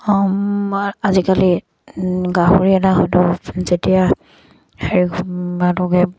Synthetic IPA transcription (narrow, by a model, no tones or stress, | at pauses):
azikali | ɡaɦuɹiɛtaɦodɔzetija | heɹikʰbadɔɡɛ